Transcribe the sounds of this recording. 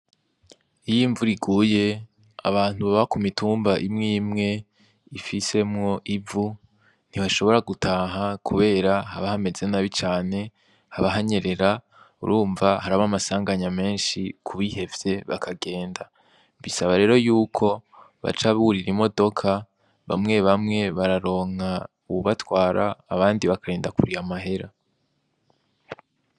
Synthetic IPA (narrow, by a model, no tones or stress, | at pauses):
ijiːɱvuɾiɡuːje̞ | a̰βaːn̥huβaβakumituːmbaʔimŋiːmŋe̞ | ifise̞mŋo̞ʔivu | n̥iβaʃo̞βo̞ɾaɡutʰaːɦakʰuβe̞ːɾahaβahame̞ze̞naβit͡ʃaːne̞ | haβaɦaɲe̞ɾe̞ɾa | ṵɾʔuːɱvahaɾaβamasaːŋɡaɲame̞ːnʃikʰuβihe̞vje̞βa̰kʰaɡe̞ːnda | mbisaβaɾe̞ːɾo̞juːkʰo̞ | βa̰t͡ʃaβuɾiɾimo̞do̞kʰa | βa̰mŋe̞βamŋe̞βaɾaɾo̞ːŋ̥a | uβuβatwaːɾʔaːβaːndiβakaɾeːndakuɾiamaɦe̞ɾa